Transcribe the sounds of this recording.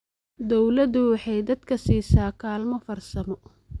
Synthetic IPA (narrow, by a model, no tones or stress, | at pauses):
d̪ɔwlɐd̪ʊwɑħɑjd̪ɐd̪kʰɐsiːsaːkʰaːlmɔfɐrsɐmɔ